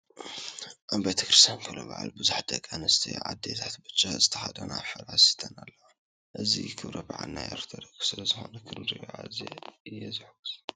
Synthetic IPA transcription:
ʔabet̪ʰɐkɾɨst̪ijankʰɐloba̰ʕa̰lbɨzuħd̪ɐkʼːanɐst̪ʰḭʕa̰d̪ːet̪ʰat̪bɨt͡ʃʼːazɨt̪ʰɐxad̪ɐnaħɨɾʕasi̥t̪ʰɐnalːɐwa | ʔɨzḭkʰɨβɾɐbaʕa̰lnajʔḛɾt̪ʰɐɾɐkʼsɨlɐzɨxo̞̰nɐkʰɨnɾɨjʕazḛɨjːɛzɨħɡus

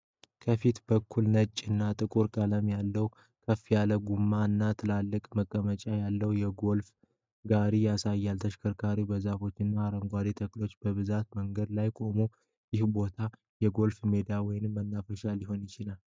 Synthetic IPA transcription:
kʰəfit̪b̥əkʰːulnət͡ʃʼːɨnːat̪ʼɨkʼuɾkʼələmjalːəw | kʰəfːijaləɡumːaɨnːat̪ʰɨlalːɨkʼməkʼːəmət͡ʃʼajalːəwjɛɡo̞lf | ɡaɾijasajːalt̪ʰəʃkʰəɾkʰaɾibəzafo̞t͡ʃːɨnːaːɾəŋɡʷad̪it̪ʰəklo̞t͡ʃːb̥əβɨzat̪məŋɡəd̪lajkʼo̞mo | jɪhbo̞t̪ʰa | jɛɡo̞lfme̞d̪awɔjɪnɨmːənːafəʃaljɪho̞njɪt͡ʃɪlal

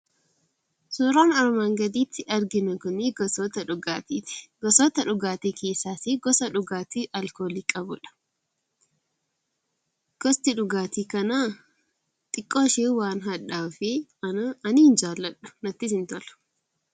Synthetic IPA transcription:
suːɾaːnɐɾmaːŋɡɐd̪iːt̪ːɪʔɐɾɡɪnɐkʊniɡɔsoːt̪ɐᶑʊɡaːt̪iːt̪ɪ̥ɡ̥ɔsoːt̪ɐᶑʊɡaːt̪iːkʰeːsːaːseːɡɔsɐᶑʊɡaːt̪iːʔɐlkoːliːkʼɐbʊᶑɐ̥ | ɡ̥ɔst̪ɪᶑʊɡaːt̪iːkɐnaː | t̪ʼɪkʼːoːʃeːwaːnɦɐᶑaːfe | ɐnɪɪnd͡ʒaːlːɐᶑʊ̥nɐt̪ːɪsɪnt̪ɔlɐ̥

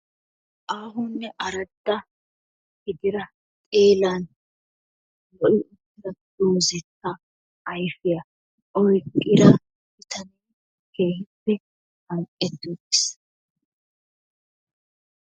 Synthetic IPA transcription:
ʔaːɦʊnːɛʔɐɾɐd̪ːɐ | hɪɡ̪ɪɾɐ | tʼeːlɐn | lɔʔɪʔʊdːɪɾɐd̪̥oːzɛt̪ːɐː | jfɪjɐ | ʔɔjkʼːɪɾɐ | bɪt̪ʰɐni | ke̞ːhɪpːɛ | hɐŋkʼːɛt̪ːudɪs

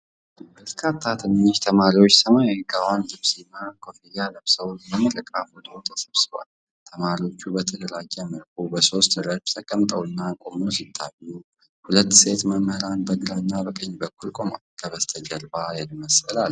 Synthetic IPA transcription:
bəɾkʰat̪ʰːat̪ʰɨnːiʃt̪ʰəmaɾiwot͡ʃːsʰəmajajiɡawanlɨβsinːakʰo̞fijaləβsəwməməɾəkʼafɔd̪əwt̪ʰə̥səβsɨβa̰l | t̪ʰəmaɾiwo̞t͡ʃːubət̪ʰələlaɡːɛməlkʰʼubəso̞st̪ɾəbt̪ʰəkʼəmt̪ʼəwɨnːakʼo̞mosit̪ʰːaju | hulət̪ːset̪məmhəɾanbəɡɾanːabəkʼəɲːbəkʰːulkʼo̞ma̰lkʰəβəst̪ʰəd͡ʒəɾbajɛlməsəlal

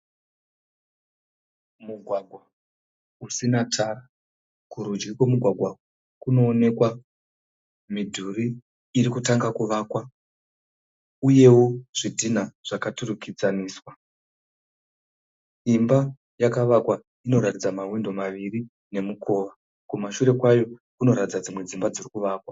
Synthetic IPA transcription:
muɡʱwaɡʱwa | usinatʰaːra | kuɾud͡ʒɡikwe̞muɡʱwaɡʱwa | kuno̞ːne̞kwa | midʱuɾiː | ɾikutaŋɡakuʋaːkwa | uje̞woʐ̥idʱinaʐ̥akaturukid͡zaniːswa | imba | jakaʋakwa | ino̞ɾatid͡zamawindo̞maʋiri | ne̞mukʰo̞ːʋa | kumaʃuɾe̞kwajo̞kuno̞ɾatid͡zad͡zimwe̞d͡zimbad͡zirikuʋaːkwa

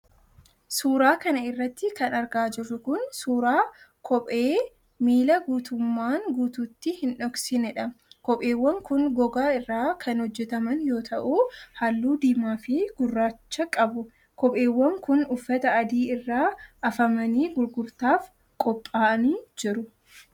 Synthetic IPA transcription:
suːɾaːkɐnɐɪrːɐt̪ːɪkɐnɐɾɡaːd͡ʒɪrːʊkʊnsuːɾaːkʰɔpʼeː | miːlɐɡuːt̪ʊmːaːŋɡuːt̪uːt̪ːɪhɪnᶑɔɡsɪnɛᶑɐkɔpʼeːwːɐŋkʊnɡɔɡaːɪrːaːkʰɐnhɔd͡ʒːɛt̪ɐmɐnjo̞ːt̪ʰɐʔuːhɐlːuːd̪iːmaːfɪɡ̥ʊrːaːt͡ʃːɐkʼɐbʊ | kɔpʼe̞ːwːɐŋkʊnʊfːɐt̪ɐɐd̪iːɪrːaːʔɐfɐmɐniːɡʊɾɡʊɾt̪aːf | kʼɔpʼːaːɐniːd͡ʒɪɾʊ

